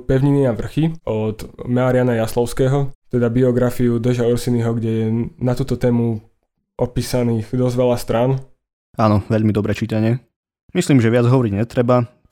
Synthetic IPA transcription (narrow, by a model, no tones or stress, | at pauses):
pɛʊɲiniaʋr̩xiɔd̪maːɾɪanajaslɔʊskɛːɦɔt̪ɛd̪abiɔɡɾafiud̪ɛʒaɔɾsiniɦɔɡɟɛjɛnat̪uːt̪ɔt̪ɛːmu | ʔɔpiːsaniːxd̪ɔzʋɛʎast̪ɾan | aːnɔʋɛʎmid̪ɔbɾɛt͡ʃiːt̪aɲɪɛ | misliːmʒɛʋɪad͡zɦɔʋɔɾiɟɲɛt̪ɾɛba